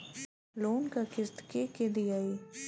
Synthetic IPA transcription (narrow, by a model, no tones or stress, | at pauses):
loːnkakɪst̪keked̪ijaːiː